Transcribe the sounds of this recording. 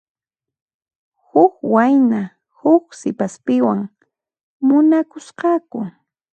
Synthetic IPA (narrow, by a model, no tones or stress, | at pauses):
hʊkwajna | hʊksɪpaspɪwaŋ | mʊnakʊsqɑkʊ